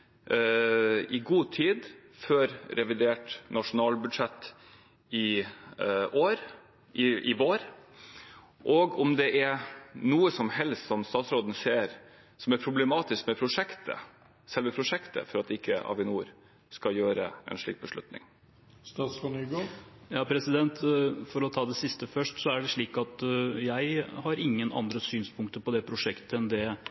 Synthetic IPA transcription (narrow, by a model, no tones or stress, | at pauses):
ɪɡuːt̪ʰiːd̪føːɾɾɛʋɪd̪eːʈnɑʂʊnɑːlbʉd̪ʂɛt̪ː | ɪ | ʔoːɾ | ʔɪʔɪʋoːɾ | ʔɔɡɔmd̪ɛʔæɾnuːəsɔmhɛlst̪sɔmst̪ɑːt̪sɾoːd̪ən̩seːɾ | sɔmæɾpʰɾʊblɛmɑːt̪ɪskmɛpʰɾʊʂɛkt̪ʰə̰ | sɛlʋəpʰɾʊʂɛkt̪ə̰fɔɾɑt̪ɪkʰːəɑ̰ːʋɪnuːɾ | skɑjøːɾə̰ɛ̰nʂɭḭːk̚bəʂɭʉ̰t̪nɪ̰ŋ | st̪ɑːsfɔnyɡojɑːpʰɾɛsɪd̪ɛnt̪fɔɾɔt̪ʰɑːd̪ɛsɪst̪əfœʂʈsɔæɖɛʂɭiːkɑt̪jæɪhɑɾɪŋːənɑ̰nd̪ɾəsyːnspʰʊŋk̚t̪əpɔd̪ɛpʰɾʊʂɛkt̪əɛnd̪ɛ